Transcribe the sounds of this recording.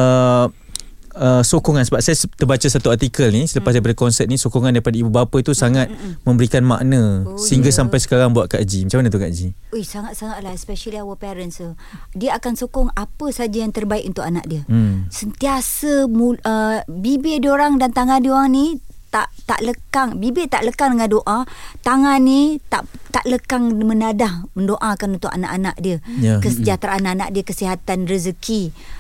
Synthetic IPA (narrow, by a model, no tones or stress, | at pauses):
ə | əsokɔŋansəbap̚sajat̪ərbat͡ʃasat̪uat̪ikəlnisələpasdaipadakɔnsət̪̚nisokɔŋandaɾipadaibubapət̪usaŋat̪̚mə̃mbəɾikanma̰ʔnə̃səɦiŋɡasampajsə̥kaɾaŋbuat̪̚kaʔd͡ʒimat͡ʃamanat̪ukaʔd͡ʒiojsaŋat̪̚saŋaʔlahɛspɛʃəliawəpɛɾənsə | diəakansokɔŋapəsad͡ʒajaŋt̪ərbaikʔunt̪ʊkana̰ʔ̚diəsənt̪iasəmuəbibedioɾaŋdant̪aŋãdioɾaŋnit̪aʔt̪a̰ʔləkaŋbibet̪aʔləkaŋdəŋandoʔat̪aŋãnit̪aʔt̪aʔləkaŋmənadahməndoʔakanunt̪ʊkana̰ʔanaʔdiəkəsəd͡ʒat̪ɾaanaʔna̰ʔ̚diəkəsiɦat̪anrəzəki